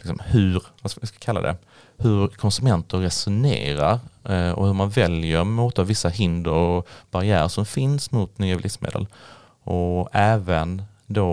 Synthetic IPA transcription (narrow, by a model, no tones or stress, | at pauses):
lɪksɔmhɵɾvaɪskakʰalːa̰d̪ɛ̰ | hɵɾkʰɔnsɵmɛnt̪əɾːɛsʊnḛːɾaɾɔ̰hɵɾmanvɛljəɾmuːt̪ʰɑːvɪsːaɦɪnd̪əɾɔb̥aɾɪæːɾəʂɔmfɪnsmʊt̪nyːabɪlɪsmḛːd̪ə̰l | ʔɔɛːvən | d̪o